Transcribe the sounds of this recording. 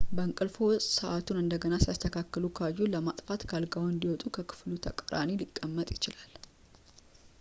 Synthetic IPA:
bəŋkʼɨlfowsʼsəʔat̪unɨnd̪əɡənasijast̪ʰəkʰakːəlukʰəajːuləmat̪ʼfat̪kʰalɡawɨnd̪iwɔt̪ʼukʰəkʰɨ̥flut̪ʰəkʼəɾa̰nilikʼːəmːət̪ʼjɪt͡ʃɪlal

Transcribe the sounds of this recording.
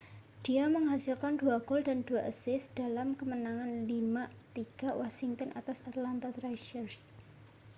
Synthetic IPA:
d̥iaməŋɦasilkanduwaɡɔldand̥uwaʔəsɪsd̥alamkəmənaŋanlimat̪iɡ̥awɔsiŋt̪ɔnʔa̰t̪asat̪lant̪at̪ɾajʃərs

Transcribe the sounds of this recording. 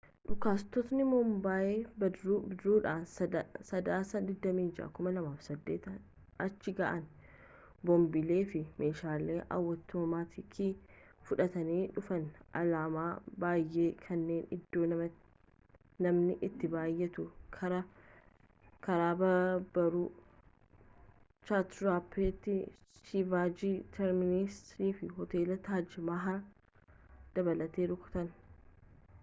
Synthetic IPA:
ᶑʊkaːst̪ɔt̪nɪmɔmbaːjeːbɐɾɾuːᶑaːnsɐd̪aːsɐd̪ɪd̪ːɐmiːnd͡ʒa̰kʊmɐlɐmaːfsɐd̪ːeːt̪ɐ | ɐt͡ʃːɪɡaːʔɐn | bɔmbɪle̞ːfɪme̞ːʃaːleːʔɐ̰wːɐt̪ːʊmmaːt̪ɪkʰifʊᶑɐt̪ɐniːᶑʊfɐnʔɐ̰laːmaːbaːjːe̞ːkʰɐnːe̞ːnɪd̪ːo̞ː | nɐmnɪʔɪt̪ːɪbaːjːɛt̪ʊkʰɐɾɐ | kɐɾaːbɐbɐɾu | t͡ʃat̪ɾaːpːet̪ːɪʃibaːd͡ʒiːt̪ʰɛɾmɪnɪst̪ɾiːfɪɦɔt̪e̞ːlɐt̪aːd͡ʒɪmaɦa | d̪̥ɐbɐlɐt̪eːɾʊkʊ̥t̪ɐn

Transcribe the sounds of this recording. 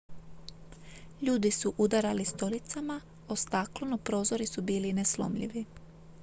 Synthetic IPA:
ʎuːd̪isuʔud̪aɾalist̪o̞lit̪sama | ost̪aklonopɾo̞ːzo̞ɾisubiːlineslo̞̰mʎḭʋi

